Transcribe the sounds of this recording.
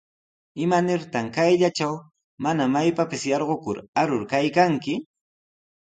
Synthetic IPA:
ɪmanɪɾt̪aŋkajʎat͡ʃaw | manamajpapɪsjɑɾɢokʊɾaɾʊɾkajkaŋkɪ

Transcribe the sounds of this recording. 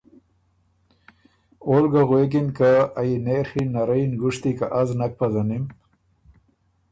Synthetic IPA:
oːlɡaɣwek̬inkaːineɾhinaɾajnɡʊʂt̪ikaʔaznak̚pɐzɐnim

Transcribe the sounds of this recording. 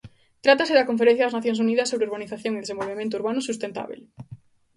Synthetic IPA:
t̪ɾat̪ɐsɪðɐkõɱfeɾẽn̟θjɐðɐznaθjõŋs̬uniðɐsoβɾeuɾβ̞aniθaθjõŋiðesembolβemẽnt̪̬uɾβanʊsust̪ent̪a̰βḛl

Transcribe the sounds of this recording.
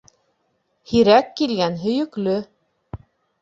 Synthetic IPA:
hiɾækːilɡænɦɵ̆jɵ̆klɵ

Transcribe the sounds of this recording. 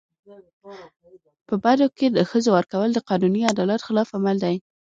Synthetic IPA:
pəbad̪oked̪əxəzowaɾkawəld̪əqɑnuniad̪ɑlat̪xɪlɑfamald̪aj

